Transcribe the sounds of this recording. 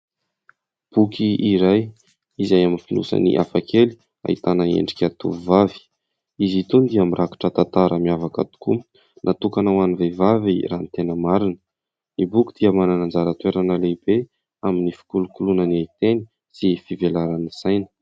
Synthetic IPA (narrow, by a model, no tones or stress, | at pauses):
b̥ukiiɾaj | izajaminfinṵsə̰nḭʔa̰fakeli̥ | a̰ḭt̪anaḛɳɖ͡ʐikʲat̪ṵvuvavi̥ | izit̪und̪iamirʔaku̥ʈ͡ʂət̪at̪aɾʔəmiavaka̰t̪u̥ku | nʔat̪ukanawanivevaviranit̪enəmaɾinə̥ | nibuki̥d̪̥iəmananand͡zaɾət̪weɾanəlebe | aminifi̥kulukulunəniait̪eni | sifivelaɾanisajnə